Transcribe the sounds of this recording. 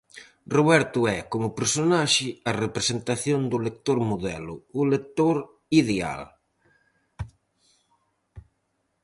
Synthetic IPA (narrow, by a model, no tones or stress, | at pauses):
roβɛɾt̪ʊɛkomʊpeɾsonaʃɪɐrepɾesent̪aθjond̪ʊlek̚t̪oɾmoðɛlʊːlek̚t̪oɾ | iðea̰l